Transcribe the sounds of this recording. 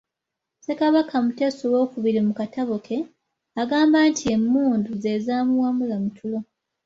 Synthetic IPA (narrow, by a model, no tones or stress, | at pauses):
se̞kaβakʰamute̞ːsowo̞ːkuβiɾimukataβokʰe̞ | aɡaːmbantʰie̞mːuːnduze̞zaːmuwamulamutʰulo̞